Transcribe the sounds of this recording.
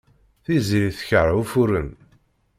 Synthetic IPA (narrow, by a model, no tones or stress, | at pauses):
θiziiθçəɾufuɾən